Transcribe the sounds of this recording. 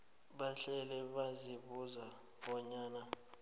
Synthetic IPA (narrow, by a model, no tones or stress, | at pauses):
ɓaɬɛlɛɓaziɓuza | ɓɔɲaːna